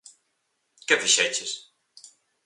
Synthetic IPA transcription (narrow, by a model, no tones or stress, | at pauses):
kefiʃɛt͡ʃes